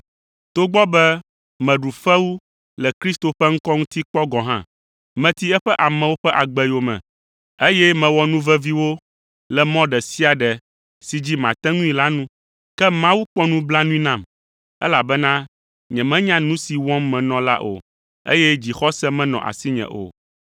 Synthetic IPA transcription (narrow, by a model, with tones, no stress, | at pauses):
t̪o˦ɡ͡bɔ˦bɛ˦ | mɛ̃˨ɖu˨fɛ˦wu˦ | lɛ˨kɾi˦st̪o˨ɸɛ˦ŋ̩˦kɔ˦ŋũ˦t̪i˦k͡pɔ˦ɡɔ̃˨ɦã̰˦˨ | mɛ̃˨t̪i˦ɛ˦ɸɛ˦ʔa˨mɛ̃˨wo˦ɸɛ˦ʔa˨ɡ͡bɛ˦jo˨mɛ̰̃˨ | e˦jɛ˦mɛ̃˨wɔ˦nũ˦vɛ˦vi˦wo˦ | lɛ˨mɔ̃˦ɖɛ˨si˦a˨ɖɛ˨ | si˨d͡ʑi˦mã̰˨t̪ɛ̃˦ŋũ˦ĩ˨la˦nũ˦ | kɛ˦mã˦wu˦k͡pɔ˦nũ˦bla˦nũ˦ĩ˦nã˨m | ɛ̰˦la˨bɛ˦nã˦ | ɲɛ̃˨mɛ̃˦ɲã˦nũ˦si˨wɔ̃˦mːɛ̃˨nɔ̃˦la̰˦ʔo̰˨ | ḛ˦jɛ˦d͡ʑi˨xɔ˦sɛ˦mɛ̃˦nɔ̰̃˨ʔa̰˨si˦ɲɛ̰̃˨ʔo̰˨